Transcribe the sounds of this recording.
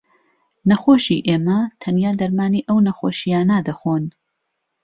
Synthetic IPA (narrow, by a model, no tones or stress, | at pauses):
nɐxoːʃḭʔeːmɐt̪ʰɐnjaːd̪ɐɾmaːniːʔɐwnɐxoːʃijaːnɐd̪ɐxoːn